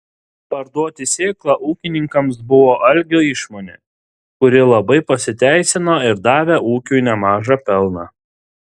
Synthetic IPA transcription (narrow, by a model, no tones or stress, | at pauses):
pɐɾd̪uɔt̪ʲɪsʲeːklˠɑʔuːkʲɪnʲɪŋkɐmsbʊʋoːʔɐlʲɡʲoːɪʃmoːnʲeː | kʊɾʲɪlˠɐbɐɪpɐsʲɪt̪ʲæˑɪsʲɪnoːɪɾd̪ɑːʋʲeʔuːkʲunʲɛmɑːʒɑpʲɛlˠnɑː